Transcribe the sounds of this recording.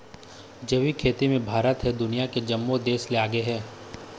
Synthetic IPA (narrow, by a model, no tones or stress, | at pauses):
d͡ʒəʋikʰeːt̪imẽbʱaːɾət̪ɦɛd̪ʊnijaked͡ʒɐmːod̪eːsleaːɡəeɦɛː